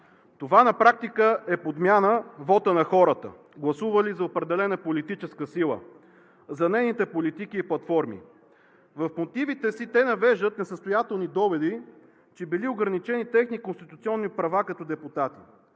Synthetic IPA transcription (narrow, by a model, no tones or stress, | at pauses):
t̪ovanɐpɾak̚t̪ikəɛpod̪mʲjanəvɔt̪ənɐxɔɾət̪ə̰ | ɡlˠɐsuvəlizɐopɾɛd̪ɛlɛnəpolit̪it͡ʃɛskəsilˠə̰ | zɐnɛjnit̪ɛpolit̪ikiːplˠɐt̪fɔɾmḭ | vəfmot̪ivit̪ɛsit̪ɛnɐvɛʒd̪ət̪nɛsəst̪ojat̪ɛlˠnid̪ɔvɛd̪i | t͡ʃɛbilioɡɾɐnit͡ʃɛnit̪ɛxnikonst̪it̪ut̪siɔnːipɾɐvakɐt̪ɔd̪ɛput̪at̪i̥